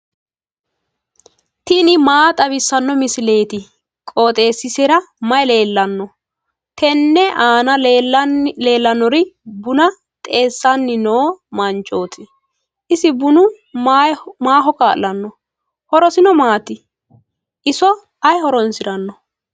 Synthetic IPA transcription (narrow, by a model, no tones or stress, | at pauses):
t̪ɪnɪmaːt̪ʼɐbɪsːɐnːɔmɪsɪle̞ːt̪ɪ | kʼo̞ːt̪ʼe̞ːsːɪsɛɾɐmɐjle̞ːlːɐnːɔ | t̪ɛnːɛʔaːnɐ | le̞ːlːɐnɔɾɪbʊnɐ | t̪ʼe̞ːsːɐnːɪnoːmɐnt͡ʃʼo̞ːt̪ʰɪ | ʔɪsɪbʊnʊ | maːɦɔkaːlɐnːɔ | hɔɾɔsɪnɔmaːt̪ɪ | ʔɪsɔ | ɐjhɔɾɔnsɪɾɐnːɔ